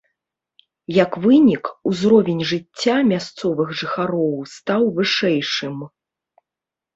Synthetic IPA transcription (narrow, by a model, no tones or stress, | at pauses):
jɐkvɨnʲikuzɾɔvʲɛnʲʐɨt͡sʲːamʲast̪sɔvɨɣʐɨxaɾɔwst̪awvɨʂɛjʂɨm